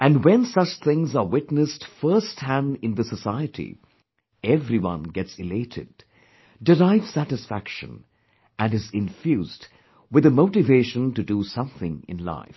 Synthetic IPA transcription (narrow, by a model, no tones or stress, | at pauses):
ʔɨ̃ndwɛ̃nsʌt͡ʃt̪ʰɪ̃ŋzəwɪtnɨstfɜ˞sthæ̃ndɪ̃nðəsəsaɪɨtʰḭ | ɛvɾiwʌ̰̃nɡɛtsɨleɪɾʰɨ̰d̚ː | ɪɾaɪv̥sæɾɨsfækʃɨ̰̃n | ʔæ̃nɨzɪ̃ɱfjuːzd | wɨðəmoʊʈɨveɪʃə̃ntɨdusʌ̃mθɪ̃ŋɪ̰̃nla̰ɪf